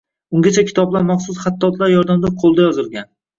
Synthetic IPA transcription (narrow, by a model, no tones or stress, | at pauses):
ʊŋɡʲat͡ʃʰakʲʰɪ̥t̪ʰɒblˠaɾmaχsʊsχat̪ʰːɒt̪ʰlaɾjɒɾd̪amd̪aqʰolˠd̪ajɒzɪlˠɡʲan